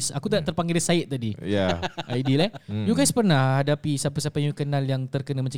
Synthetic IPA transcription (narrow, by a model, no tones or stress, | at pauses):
sakut̪əaʔt̪ərpaŋɡɪlɛsaɪt̪̚t̪adijaʔajdilajuɡajspərnahhadapisapəsapaɲukənãljaŋt̪ərkənamat͡ʃã